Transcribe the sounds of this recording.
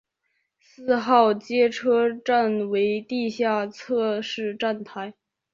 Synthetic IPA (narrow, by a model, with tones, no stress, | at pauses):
sɹ̩˥˧xɑ˥˩ʊt͡ɕjɛ˥ʈ͡ʂʰɤ˥ʈ͡ʂa˥˩nwe˧˥ɪt̪i˥˧ɕja˥˧t͡sʰɤ˥˧ʂɻ̩˥˧ʈ͡ʂa˥˩nt̪ʰa˧˥ɪ